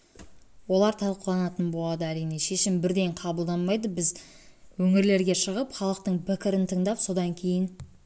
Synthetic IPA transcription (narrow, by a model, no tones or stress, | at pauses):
wo̞lˠɑɾt̪ʰɑlˠqəlˠɑnɑt̪ənbo̞lˠɑd̪əæɾijne̞ʃe̞ʃɪmbɪɾd̪e̞ɴqʰɑbəlˠd̪ɑnmɑjd̪əbɪz | wɵŋɪɾle̞ɾɡʲe̞ʃəʁəpχɑlˠəq̚t̪əɴpʰɪkʲɪɾɪnt̪ʰəɴd̪ɑpso̞d̪ɑŋkʲʰe̞jɪn